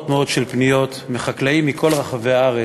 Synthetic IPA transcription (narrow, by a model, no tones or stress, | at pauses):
tmeo̞d̥ʃelpnijo̞t̪meχaklaimːikʰo̞lʁaχaveaaʁe